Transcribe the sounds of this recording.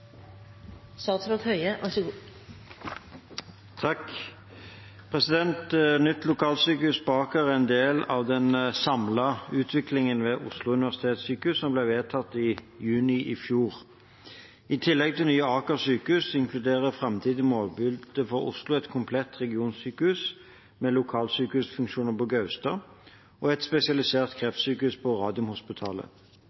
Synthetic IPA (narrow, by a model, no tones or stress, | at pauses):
sɑt̪slɔt̪hœʏəɑ | t̪ʰɑk | pʰʁɛsɪd̪ɛnt̪nʏt̪ːlʊkʰɑːlsyːkəʉsbɑːkəʁɛnd̪eːlɑʋd̪ɛnsɑmlɑʉːt̪ʰʋɪklɪŋənʋɛːʔʊ̰slʊʉnɪʋæʁsɪ̥t̪ʰeːt̪syːkəʉssɔmblɛʋeːt̪ʰɑt̪ːɪjʉːnɪʔɪfjuːʁ | ɪt̪ʰɪlːɛɡ̚t̪ʰɪlnyːəɑːkəsyːkəʉsɪŋkʰlʉd̪eːʁəfʁɛmt̪ʰiːd̪ɪmoːlbɪldd̪̥əfɔʁʊ̰slʊɛt̪kʰʊmpʰlɛt̪ʁɛɡɪuːnsyːkəʉs | mɛlʊkʰɑːlsyːkəʉsfʉŋkʃuːnəpɔɡɑʉst̪ɑː | ʔɔɛt̪spɛsɪɑlɪseːʁt̪kʰʁɛft̪syːkəʉspʰɔʁɑːd̪ɪʊmhʊspɪt̪ʰɑ̰ːlə̰